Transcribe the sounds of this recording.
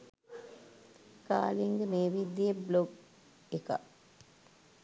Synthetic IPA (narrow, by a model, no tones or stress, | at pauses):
ka̰ːliŋɡemeːʋid̪iebloɡ | eka̰